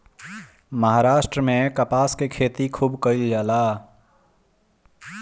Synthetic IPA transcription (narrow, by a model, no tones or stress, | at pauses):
məɦaːɾaːʃʈɾəmẽkəpaːskekʰeːt̪ikʰuːbkəild͡ʒaːlaː